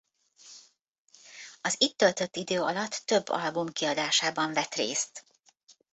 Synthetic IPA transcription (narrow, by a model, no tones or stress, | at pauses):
ɒzit̪ːølt̪ø̞t̪ːid̪øːɒlɒt̪ːø̞bːɒ̰lbumkiɒd̪aːʃaːbɒɱvɛt̪reːst̪